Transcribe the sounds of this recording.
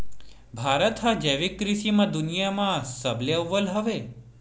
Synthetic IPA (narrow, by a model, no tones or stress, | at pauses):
bʱaɾət̪ɦad͡ʒeʋikːɾiʃimãd̪unijamãsəbleʋːəlɦəʋe